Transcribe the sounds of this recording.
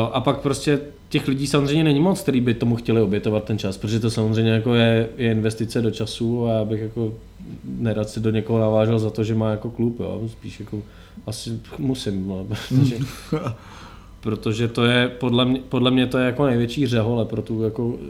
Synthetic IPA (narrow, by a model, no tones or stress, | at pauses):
joʔapak̚pɾoscɛ | cɛxlɪɟiːsamozr̝ɛjɲɛnɛɲɪmot͡skt̪ɛɾiːbɪt̪omuxcɛlɪo̞bjɛt̪ovat̪ːɛnt͡ʃaspɾot̪oʒɛt̪osamozrɛjɲɛjako̞jɛjɛɪnvɛst̪ɪt͡sɛdot͡ʃasuajaːbɪxjako | nɛɾaːt̪sɪdoɲɛkoɦonavaːʒɛlzat̪oʒɛmaːjako̞klupjo̰ːspiːʃjako | ʔasɪmusɪmotoʒɛ | pɾot̪oʒɛt̪o̞jɛpodlɛmɲɛpodlɛmɲɛt̪ojɛjako̞nɛjvjɛt͡ʃiːrɛɦolɛpɾo̞t̪ujako